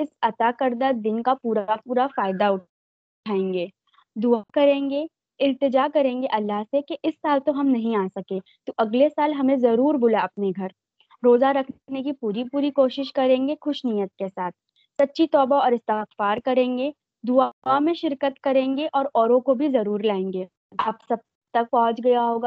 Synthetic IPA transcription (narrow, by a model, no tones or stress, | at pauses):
ɪsɐt̪aːkɐɾd̪ad̪ɪnkapuːɾapuːɾafaːɪd̪aʊ | ʈʰaːẽːŋɡeː | d̪ʊakɐɾẽːŋɡe | ɪlt̪ɪd͡ʒaːkɐɾẽːŋɡeʔɐlːaɦsekeʔɪsːaːlt̪oɦɐmnɐɦĩaːsɐkeː | t̪oʔɐɡlesaːlɦɐmẽzɐɾuːɾbʊlaɐpneɡʱɐɾ | ɾoːzaɾɐkʰnek̬ipuːɾipuːɾikoːʃɪʃkɐɾẽːŋɡexʊʃnijət̪̚kesaːt̪̚ʰ | sɐtːʃʰit̪ɔːbaɔːɾɪst̪ɪxfaːɾkɐɾẽːŋɡeː | d̪ʊaamẽʃɪɾkət̪kɐɾẽːŋɡeʔɔːɾɔːɾõkobʱizɐɾuːɾlaːẽːŋɡeː | aːpsɐb̚ | t̪ɐk̚pɔ̃ɦʊ̃t͡ʃɡɐjaɦoːɡaː